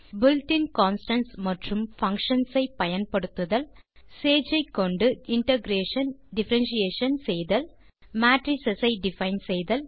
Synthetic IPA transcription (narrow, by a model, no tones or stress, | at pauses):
bʊlʈɪnkaːnsʈɐnsmɐʈrɯmfɐŋkʂɐnsɐɪpɐjɐnpɐɽɯt̪ːɯðɐl | seːd͡ʒɐɪkːɔɳɖɯɪɳʈɐɡɾeːʂɐnɖɪfɐɾɐnʃijeːʂɐnsɛjðɐl | maːʈɾisɐsɐɪɖɪfɐɪnsejðɐl